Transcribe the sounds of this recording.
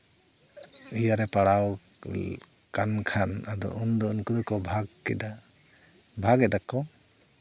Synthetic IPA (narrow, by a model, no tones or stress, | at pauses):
ijaɾɛpaɽaw | kankʰanad̪ɔ̰ʔund̪ɔunkud̪ɔkɔbʱaɡ̚kɛ̰d̪a | bʱaɡɛd̪akːɔ